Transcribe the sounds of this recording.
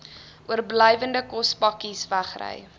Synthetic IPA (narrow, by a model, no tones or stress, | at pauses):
ʔuərbləjvəndəkɔspɐkisvæχrə̰j